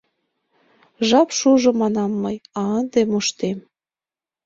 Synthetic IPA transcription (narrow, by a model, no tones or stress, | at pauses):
ʒɑpʃuʒŏmɑnɑmːɤjɑənd̪emoʃt̪em